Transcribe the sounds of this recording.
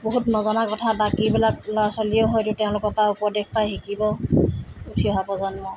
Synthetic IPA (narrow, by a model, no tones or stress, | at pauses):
boɦutnɔzɔnakɔtʰabakibilak̚lɔɹasɔlioɦɔjtʊtɛʊ̃lʊkɔtaupɔdekpajɦikibɔ | utʰiɔɦapɔzɔnmɔ